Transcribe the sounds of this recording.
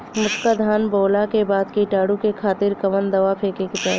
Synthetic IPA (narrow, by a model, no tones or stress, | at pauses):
mʊskad̪ʱaːnboːlakebaːd̪kiʈaːɽukekʰaːt̪ɪɾkɐʋənd̪ɐʋapʰeːkekɪt̪a̰ː